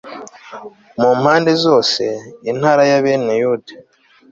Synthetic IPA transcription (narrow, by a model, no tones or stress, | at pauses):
mumhaːnde̞zo̞ːse̞inhaːɾajaβenejude